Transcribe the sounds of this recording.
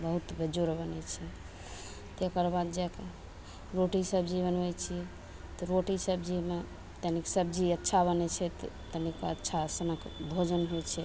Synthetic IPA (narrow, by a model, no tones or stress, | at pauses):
bəɦut̪bed͡ʒoɾbənɛt͡ʃʰɛ | t̪okəɾbad̪d͡ʒɛke | ɾoʈisəbd͡ʒiβənejt͡ʃʰiɛ | t̪ɔɾoʈisəbd͡ʒime | t̪əniksəbd͡ʒiətːʃʰaβənɛt͡ʃʰɛt̪t̪ənikaətːʃʰasənəkbʱod͡ʒənɦojt͡ʃʰɛ